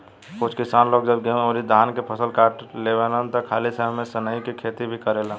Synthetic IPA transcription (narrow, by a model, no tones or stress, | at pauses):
kʊt͡ʃʰkɪsaːnloːɡd͡ʒəbɡeoɾid̪ʱaːnkepʰəsəlkaːʈleʋelənt̪ɔkʰaːlisəɦmːesənəikikʰeːt̪ibʱikəɾelã